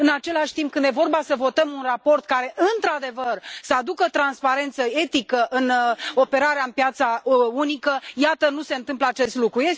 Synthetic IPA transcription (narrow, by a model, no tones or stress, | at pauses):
ɨnat͡ʃe̞laʃʲt̪impkɨnd̪je̞vo̞rbasəvo̞t̪əmunrapo̞rt̪kaɾe̞ʔɨnt̪ɾad̪e̞vərsəad̪ukət̪ɾanspaɾe̞nt̪səe̞t̪ikəʔɨno̞pe̞ɾaɾeaɨnpjat̪saunikəjat̪ənuse̞ɨnt̪ɨmpləat͡ʃe̞st̪lukɾuje